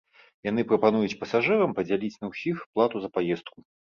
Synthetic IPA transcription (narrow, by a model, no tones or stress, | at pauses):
jan̪ɨpɾɐpanujut͡sʲpɐsaʐɨɾɐmpɐd͡zʲalʲit͡sʲnɐwsʲixplˠat̪uzɐpajɛst̪̚ku